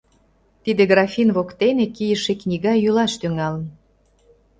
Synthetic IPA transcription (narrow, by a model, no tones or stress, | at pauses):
t̪id̪eɣrɑfʲinβokt̪enekijəʃeknʲiɣɑjylɑʃt̪yŋɑlən